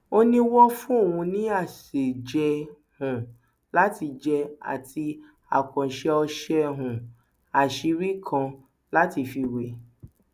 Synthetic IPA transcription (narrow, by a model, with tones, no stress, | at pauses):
o˦nĩ˦wɔ˦fũ˦o˦˨wũ˧nĩ˦a˦˨se˨d͡ʒɛ˧ | hũ˨ | la˨˦ti˧d͡ʒɛ˧a̰˨tʰi˧ | a̰˨kã˨ʃɛ˧ɔ˧ʃɛ˧ɦũ˨ | a˨ʃi˨˧ɾi˦kʰã˧ | la˦ti˧˨fi˧we˨